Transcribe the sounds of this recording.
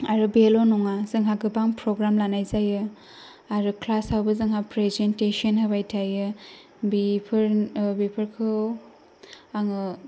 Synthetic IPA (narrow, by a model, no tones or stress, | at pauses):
aɾɯbelonɔŋazɯŋɦaɡɯbaŋpɾɔɡɾamlanajzajɯ | aɾɯklasawbɯzɯŋɦapɾezentesɔnhabajtʰajɯ | bipʰɯɾbipʰɯɾkʰɯ | aŋɯ